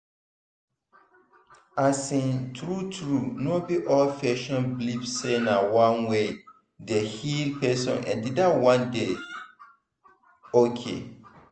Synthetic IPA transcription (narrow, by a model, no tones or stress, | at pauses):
asĩntʰɾutʰɾunɔ̃biʔɔlfɛʃɔ̃nblipsenãwãnwe | dɛhilpʰɛsɔ̰̃nʔɛ̰̃ndidawãnde | okʰḛ